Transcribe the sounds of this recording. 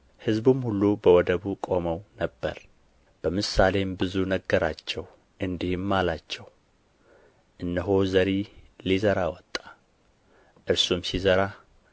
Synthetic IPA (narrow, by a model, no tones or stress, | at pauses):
hɨzbumhulːubəwɔd̪əβukʼo̞məwnəbːə̰ɾ | b̥əmɨsale̞mbɨzunəɡːəɾat͡ʃːɛw | ʔɨnd̪ihɨmːalat͡ʃːɛw | ʔɨnːəɦo̞zəɾilizəɾawɔt̪ʼːḁ | ʔɨɾsumsizəɾa